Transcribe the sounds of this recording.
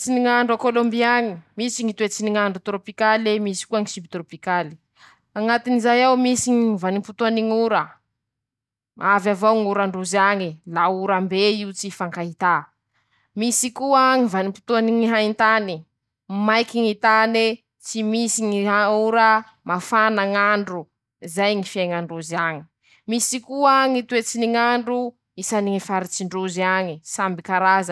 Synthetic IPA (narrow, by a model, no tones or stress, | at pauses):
t͡siniŋaɳɖ͡ʐakolombiaŋimisiŋit̪wet͡siniŋaɳɖ͡ʐut̪ɾopikalemisi̥kuaŋisimbit̪ɾopikali̥ | aŋat̪inizajawmisiŋiivanimput̪uaniŋuɾə | ʔavavawŋuɾaɳɖ͡ʐuzaŋilauɾambeiut͡sifaŋkaɦit̪a | misikuəŋivanimpi̥t̪uaniŋiɦaint̪ani | majkiŋit̪ane | t͡simisiŋiɦauɾə | mafanaŋaɳɖ͡ʐu | zajŋifjajŋaɳɖ͡ʐuziaŋi̥ | misikuəŋit̪uet͡siniŋaɳɖ͡ʐu | isaniŋifaɾit͡siɳɖ͡ʐuziaŋisambikaɾazə